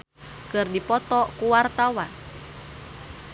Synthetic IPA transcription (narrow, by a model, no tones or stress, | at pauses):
kɨrdipɔt̪ɔkuwart̪awa